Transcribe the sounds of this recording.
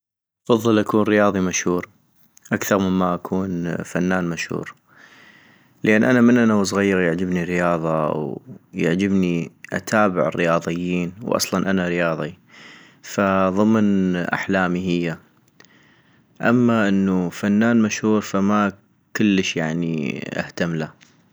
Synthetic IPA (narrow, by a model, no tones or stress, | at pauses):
ʔɑfɑðˤːɨlʔakuːnɾɪjɑːðˤimaʃhuːɾ | ʔakθɑɾˤməmːaʔakʰuːnfanːaːnmaʃhṵːɾ | ləʔanːʔanamənʔanaws̬ˤɣajːɪɣjaʕd͡ʒɪbniɾɪjɑːðˤɑwjaʕd͡ʒɪbniʔa̰t̪ʰaːbɪ̰ʕɪ̰rːɪjɑːðˤɨjːiːnwʔɑ̰sˤlɑnʔanaɾɪjɑːðˤi | faðˤɨmnʔa̰ħlaːmiɦɪjːa | ʔa̰mːaʔɪnːufanːaːnmaʃhuːɾfama | kəlːəʃjaʕniʔa̰ht̪amla